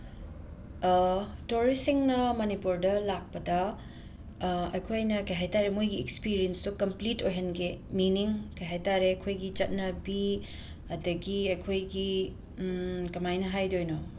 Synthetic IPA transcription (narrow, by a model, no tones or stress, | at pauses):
toɾisiŋnɐmɐnipuɾdɐlak̚pɐdɐ | ɐjkʰojnɐkɐjɦajtaɾemujɡiekspiɾienstukɐmplitojɦɐnɡeminiŋkɐjɦajtaɾekʰojɡit͡ʃɐt̚nɐbi | ɐdɐɡiɐjkʰojɡi | kɐmajnɐɦajdojno